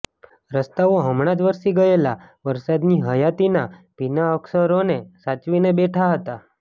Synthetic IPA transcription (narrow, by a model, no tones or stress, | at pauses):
ɾəst̪aʋoɦəmɽ̃ad͡ʒʋəɾʃiɡəelaʋəɾsad̪niɦəjat̪ina | pinaəksəɾonesat͡ʃʋinebeʈʰaɦət̪a